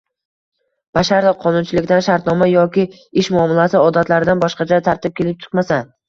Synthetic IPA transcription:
b̥aʃaɾɪqʰɒnʊnt͡ʃʰɪlɪkʲd̪anʃaɾt̪nɒmajɒkʲɪ | ɪʃmʊɒmːɪlasɪɒd̪at̪laɾɪd̪anbɒʃqɑt͡ʃʰat̪ʰaɾt̪ɪp̚kʲʰe̞lɪp̚t͡ʃʰʊ̥qmasa

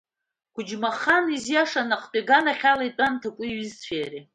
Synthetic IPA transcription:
kʷʰʊd͡ʒmaχanizjaʂanaqpʼeɡanaχʲalaitʼantʰakʷʼʊɥizt͡ɕʷʰeːri

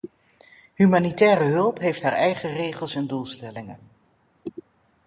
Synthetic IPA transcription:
ɦymaːnitɛːrəɦɵlˠpɦejftɦaːɹɛjχərejχəlˠsɛndulˠstɛlɪŋə̰n

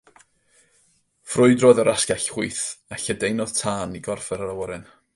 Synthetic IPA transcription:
frʊɨdroːðəɾaskaɬwuɨθaɬədejnɔð̥tʰaːniɡɔrfɛɾəɾawɔɾɛn

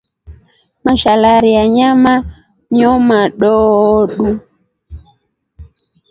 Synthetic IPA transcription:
maʃalaɾiaɲama | ɲiɔmaɗɔɗu

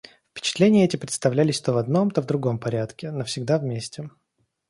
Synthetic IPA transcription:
fpʲɪ̥t͡ɕɪ̥t̪lʲenʲɪjəɛtʲɪpɾʲɪt̪st̪ɐvlʲælʲɪsʲt̪ovɐd̪no̞mt̪ovd̪ɾʊɡo̞mpɐɾʲat̪kʲɪnəfsʲɪɡd̪avmʲesʲtʲɪ

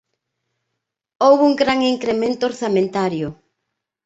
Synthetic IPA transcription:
owβuŋɡɾaŋiŋkɾement̪ooɾθamẽnt̪aɾjʊ

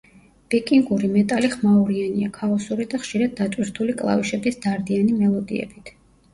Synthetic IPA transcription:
b̥ɛkʼiŋɡuɾimɛt̪ʼaliχmauɾianiakʰaɔsuɾid̪aχʃiɾad̪̚ːat̪ʼwiɾt̪ʰulikʼlˠa̰viʃɛbisd̪aɾd̪ianimɛlˠɔd̪ḭɛ̰bit̪ʰ

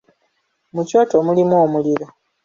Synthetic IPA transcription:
muco̞ːtomulimwoːmuliɾo

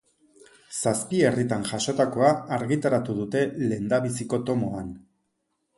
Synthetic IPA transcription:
saspie̞rit̪anʝaʃo̞t̪ako̞aːɾɣit̪aɾat̪uðut̪e̞le̞nd̪aβisiko̞t̪o̞mo̞an

